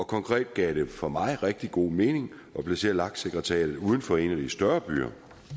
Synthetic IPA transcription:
ɒ̽kʰɒ̽ŋkʰʁɛ̰ːd̥̚ɡ̥ɛ̰ʊd̥e̝fɒ̽mɑ̈ɪʁɛɡ̥̚d̥iɡ̥o̝̰ːme̝ːne̝ŋ | ʔɒ̽pʰlæse̝̰ːɐlɑ̈ɡ̥̚seɡ̥ʁɛt͡sʰɛ̰ːð̩ˠuːð̞ˠn̩fɒ̽e̝næd̥isd̥ɶɐb̥y̰ːɐ̰

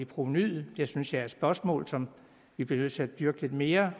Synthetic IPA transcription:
ipʰʁonyð̰̩ˠd̥esynsjɑ̈æɐd̥sb̥ɶɐsmɔ̰ːlsɒ̽m | ʋib̥liɐnøð̰ˠt͡sʰe̝æd̥yɐɡ̥əle̝d̥me̝ːɐ

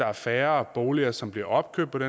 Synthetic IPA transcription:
ɑ̈æɐfæːɐb̥o̝ːliɐsɒ̽mb̥liɐʔɒ̽b̥̚kʰø̥pʰɒ̽ɾ̥e

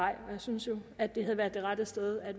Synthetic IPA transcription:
ɑɪ̰ɒjɑsynsjo̝æd̥ːe̝hæð̞ˠʋæːɐd̥ˠe̝ʁad̥əsd̥eð̞ˠæd̥

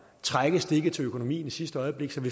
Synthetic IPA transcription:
t͡sʰʁaɡ̥əsd̥e̝ɡ̥ət͡sʰe̝økʰono̝mḭːnisisd̥əɒ̽ɪəb̥le̝ɡ̥sɒ̽ʋi

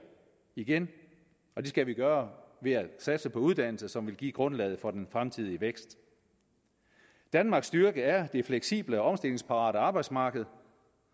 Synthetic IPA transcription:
iɡ̥en | ʔɒ̽d̥e̝sɡ̥æʋiɡ̥ɶːɐʋe̝æsæd̥səpʰɒ̽uð̞ˠd̥æn̰l̩səsɒ̽mʋe̝lɡ̥ḭːɡ̥ʁɔ̽nlɛ̰ːð̞ˠfɒ̽d̥enfʁamt͡sʰiðˠiəʋeɡ̥sd̥ | d̥ænmɑ̈ːɡ̥sd̥yɐɡ̥əæɐd̥e̝fleɡ̥sḭːb̥ləɒɒ̽msd̥e̝le̝ŋspʰɑ̈ʁɑ̰̈ːɾəɑ̈ːb̥ɑ̈ɪd̥smɑ̈ːɡ̥əð̞̩ˠ

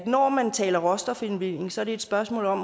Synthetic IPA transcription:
nɒmænt͡sʰɛːlɐʁɒ̽sd̥ɐfenʋil̰e̝ŋsɒ̽æɐɾ̥e̝e̝d̥sb̥ɶɐsmɔ̰̽ːlɒ̽m

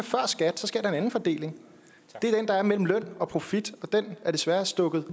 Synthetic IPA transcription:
fɶɐ̰sɡ̥æd̥sɒ̽sɡ̥e̝ɐ̥ɑe̝næn̩fɒ̽d̥e̝̰ːle̝ŋ | d̥e̝æɐd̥end̥ɑ̈æɐmel̰m̩lœn̰ɒ̽pʰʁo̝fid̥ɒ̽d̥en̰æɐd̥e̝sʋæːɐsd̥ɔ̽ɡ̥ð̞̩ˠ

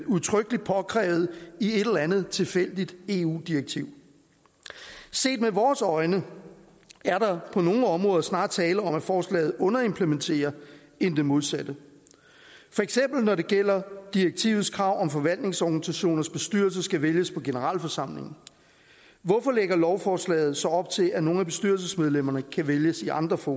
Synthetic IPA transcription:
duðˠt͡sʰʁœɡ̥əlid̥̚pʰɒ̽kʰʁɛ̰ːʊð̩ˠie̝d̥elɐænð̞̩ˠt͡sʰe̝lfel̰d̥id̥e̝ːṵːd̥ieɡ̥̚t͡sʰiʊ̰ | se̝̰ːd̥meʋɒːsɒ̽ɪnə | æɐɾ̥ɑ̈pʰɒ̽no̝ːɒ̽mʁɔ̽ːðˠɐsnɑ̈ːd̥t͡sʰɛːləɒ̽mæfɒːslɛ̰ːð̞̩ˠɔ̽nɐe̝mpʰlement͡sʰe̝̰ːɐ | e̝nd̥e̝mo̝ð̞ˠsæd̥ə | fɒ̽eɡ̥sem̰b̥l̩nɒɾe̝ɡ̥el̰ɐd̥iʁeɡ̥̚t͡sʰḭːʊð̞̩ˠskʰʁɑ̈ʊ̰ɒ̽mfɒ̽ʋæl̰d̥ne̝ŋsɒɡ̥nisæɕo̝̰ːnɐsb̥e̝sd̥yɐls̬ɐsɡ̥æʋeljəspʰɒ̽ɡ̥e̝nəʁɑ̰̈ːlfɒsɑ̈m̰le̝ŋn̩ | ʋɒfɒ̽leɡ̥ɐlɒʊfɒːslɛ̰ːð̞̩ˠsɒ̽ɒ̽b̥t͡sʰe̝lʔæno̝ːn̩æb̥e̝sd̥yɐls̬əsmeð̞ˠlem̰ɐnəkʰæʋeljəsiɑ̈nd̥ʁɐfɔː

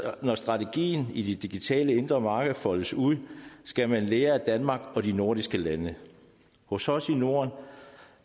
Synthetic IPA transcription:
nɒsd̥ʁɑ̈t͡sʰe̝ɡ̥ḭːn̩id̥e̝d̥iɡ̥it͡sʰɛ̰ːləe̝nd̥ʁɐmɑ̈ːɡ̥əð̩ˠfɒ̽ləsuð̰ˠsɡ̥æmænleːɐæd̥ænmɑ̈ːɡ̥ɒ̽dino̝ɐ̰ɾisɡ̥əlænə | hɔ̽sɒ̽sino̝ɐn

